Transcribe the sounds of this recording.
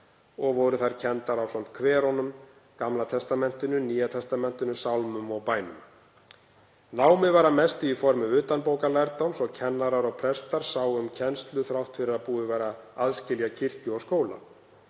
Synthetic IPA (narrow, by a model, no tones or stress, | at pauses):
ɔɣvɔɾʏθaɾ̥cʰɛnt̪aɾawsan̥t̪kʰvɛːɾɔnʏm | kamlat̪ʰɛst̪amɛn̥t̪ʏnʏniːjat̪ʰɛst̪amɛn̥t̪ʏnʏsawlmʏmɔɣpaːjnʏ̰m | naːwmɪvaɾamɛst̪ʏifɔɾmʏʏːt̪anpoːwkalajɾt̪owmsɔɣcʰɛnːaɾaɾɔɣpʰɾɛst̪aɾ̥saːwʏmcʰɛnst̪lʏθɾawht̪fɪɾɪɾaðpuːðɪvɛːɾaaðscɪljacʰɪr̥cʏɔɣskoːwla̰